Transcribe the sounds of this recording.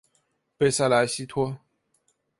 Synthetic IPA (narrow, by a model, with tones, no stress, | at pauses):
pe˥˧ɪsa˥˩la˨˧˥ɕi˥t̪ʰwɔ˥